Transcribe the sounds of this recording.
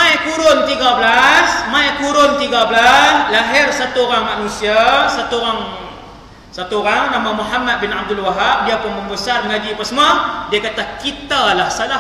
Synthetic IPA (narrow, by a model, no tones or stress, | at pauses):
majkuɾʊnt̪iɡabəlasmajkuɾʊnt̪iɡabəlaslaɦɪrsat̪uoɾaŋmanũsiasat̪uɾaŋ | sat̪uoɾaŋnamãmuɦamːat̪̚bɪnab̚d̪ʊlwaɦap̚diapʊnməmbəsarnad͡ʒipəsəmadiakat̪akit̪alahsala